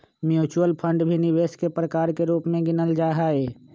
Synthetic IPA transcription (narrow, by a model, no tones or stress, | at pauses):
mjuːt͡ʃuəlpʰə̃ɳɖbʱinɪʋeːskepɾəkaːɾkeɾuːpmẽɡɪnəld͡ʒaːɦaːeː